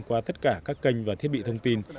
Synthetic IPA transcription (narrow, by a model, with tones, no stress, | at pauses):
ŋkwaː˧t̪ə˦˥t̚kaː˧˩kaː˦˥kːə˧jŋ̟vaː˨˩t̪ʰi˦˥ət̚ɓḭ˧˨t̪ʰə˧wŋ͡mt̪i˧n